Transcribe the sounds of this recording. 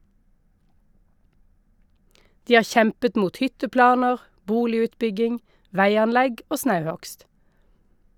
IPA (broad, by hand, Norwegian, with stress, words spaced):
ˈdiː ˈɑː ˈçɛmpət ˈmuːt ˈhʏtəˌplɑːnəʁ ˈbuːlɪʉːtˌbʏɡɪŋ ˈʋæɪɑnˌlɛɡ ˈoː ˈsnɑʉˌhɔkst